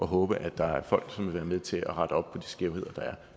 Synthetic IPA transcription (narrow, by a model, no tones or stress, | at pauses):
ʔɒ̽ɦɔ̽ːb̥əʔæd̥ɑ̈æɐfɒ̽l̰ɡ̥sɒ̽mʋe̝ʋæːɐmeðˠt͡sʰe̝læʁɑ̈ɾ̥əɒ̽b̥̚pʰɒ̽d̥i̥sɡ̥eʊhe̝ð̰ˠɐd̥ɑ̈æɐ